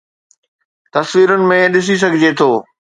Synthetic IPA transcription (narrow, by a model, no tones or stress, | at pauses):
t̪ɐsʋiːɾʊnɪ̆mẽɗɪs̬is̬ɐɡʱɪd͡ʑet̪ʰoː